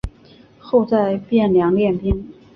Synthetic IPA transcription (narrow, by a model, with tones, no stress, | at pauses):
xo˥˧ʊt͡sa˥˧ɪpjɛ˥˩nljɑ˧˥ŋljɛ˥˩np̪i˥n